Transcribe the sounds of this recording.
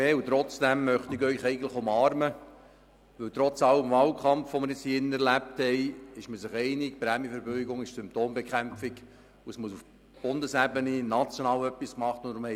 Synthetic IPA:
eːut̪ɾɔt͡sd̥æmːœχtɪkœʏχɛɪɡən̩tlɪ̥χʊmɑːɾmə | ʋɵwt̪ɾɔt͡sɑləmvɑːlkʰχɑmfʋomɪɾjɪt͡shiːɪnːəɛɾlæp̚thɛɪɪʃməsɪχɛɪnɪk̚pɾæmjəfɛɾbœʏɡʊŋɪʃsʏmptoːmbekχæmfɪk | uəsmuəsuf | b̥ʊndəsæbəninɑt͡sjoɔnɑːwœpːiskmɑχtʊndɾʊmhɛ

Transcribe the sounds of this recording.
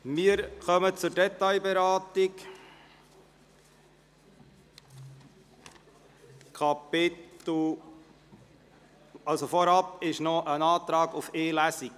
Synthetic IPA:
mɪəɾxœmət͡sʊɾdɛtɑjbɛɾɑːtik | kʰɑpɪtl̩ | ɑlsofɔɾɑpɪʃnɔʔənɑːt̪ɾɑːɡufeːlæsik

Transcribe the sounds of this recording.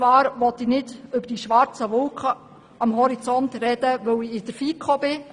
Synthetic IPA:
ʋɑːɾʋɔtinɪdʏbəɾd̥iʃʋɑɾt͡səʋʊlkχə | ɑmɦɔɾit͡sɔntɾɛd̥əʋɵwiɪd̥əɾfiːkχobɪ

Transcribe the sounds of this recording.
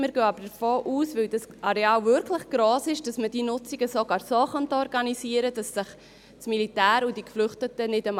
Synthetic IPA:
məɾɡøːɑbəɾdəfoːʔuːsvɪldɑsʔɑɾɛɑːlvʏɾkʰləχɡ̥ɾoːsɪʃd̥ɑsməd̥iːnʊt͡siɡəsoɡ̥ɑːɾsoːχɑntɔɾɡɑnisiːəɾədɑsːɪχ | smilitæːɾud̥ikflʏχtətənɪdəm

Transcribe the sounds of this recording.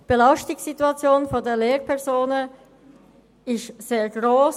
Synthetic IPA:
b̥elɑʊʃtɪksituɑt͡sjoːnfɔdeːɐleːɾpʰɛɐzoːnə | ɪsz̥eːɐɡʁoːs

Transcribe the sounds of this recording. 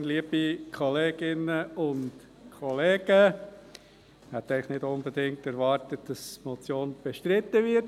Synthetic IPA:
nliəbikʰɔleːɡ̥ɪnəʊnt | kʰɔleːɡ̥ə | hɛt̪ːɛɪləχnɪdʊnbɛdɪŋktɛɾvɑːɾtət̚d̥ɑsmɔt͡sjoːnb̥ɛʃtɾɪt̪ːəvɪɾt

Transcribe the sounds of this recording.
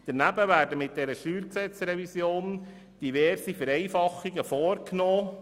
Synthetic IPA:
d̪̥ənæbəʋæːɾdəmɪt̚d̥ɛɾəʃyːɾksɛt͡sɾɛvisjoːn | d̥iʋɛɾsifəɾɛɪfɑχːiɡəfɔːɾknoː

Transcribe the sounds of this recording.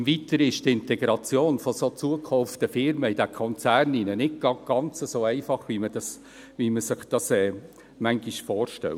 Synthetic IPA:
vit̪əɾɪʃtɪntɛɡɾɑt͡sjoːnfɔsot͡suəkʰɔft̪əfɪɾməid̥ækʰɔnt͡sæːrninənɪɡɡ̥ɑɡ̥ɑnt͡səsoːɛɪfɑχʋimədɑs | ʋiməsɪχd̥ɑsɛː | mæŋɡiʃfɔːrʃtɛ̰l

